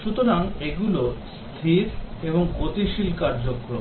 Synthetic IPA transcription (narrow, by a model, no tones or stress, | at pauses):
ʃut̪oɾaŋeɡulos | t̪ʰiɾeboŋɡot̪iʃilkaɾd͡ʑokːɾom